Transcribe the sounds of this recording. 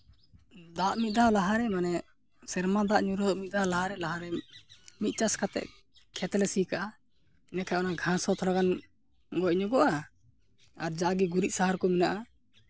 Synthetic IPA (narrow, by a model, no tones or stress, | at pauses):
d̪aʔmit̪̚d̪alaɦaɾɛmanɛ | sɛɾmad̪aʔɲuɾɔd̪ɔʔmit̪̚d̪alaɦaɾɛlaɦaɾɛmit̪̚ˀt͡ʃaskat̪ɛ̰ʔ | kʰɛt̪ɛlɛsikaʔa | nɛkʰajɔnaɡʱãsɔt̪ʰɔɾaɡan | ɡɔjɲɔɡɔʔa | aɾd͡ʒaɡiɡuɾiʔ̚saɦaɾkɔminaʔa